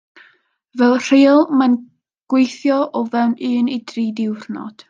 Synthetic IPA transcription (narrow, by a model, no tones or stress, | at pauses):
vɛlˠr̥eːlˠman | ɡ̥wejθjɔʔɔvɛwnɨːnidriːdɪwrnɔ̰d̥